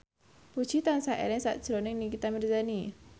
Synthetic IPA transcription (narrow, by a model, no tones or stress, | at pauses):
put͡ʃit̪ansaʔɛ̰lɛnsa̰t̪̚sɾɔniŋnikit̪amirzani